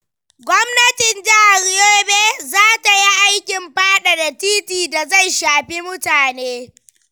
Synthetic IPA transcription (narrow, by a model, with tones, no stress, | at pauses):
ɡʷɔ˦mnɐ˦tɪ˨nd͡ʒɐ˦ha˨ɾjoː˦beː˦zaː˦ta˨ji˦ʔa˦jkʲɪ˨mɸaː˦ɗa˨da˨tiː˦tiː˨da˨za˦˨jʃaː˨ɸi˦mʊ˦taː˨neː˦